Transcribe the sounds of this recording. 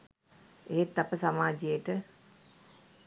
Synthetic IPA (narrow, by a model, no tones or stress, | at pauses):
eːt̪ːapəsamaːd͡ʒijeʈə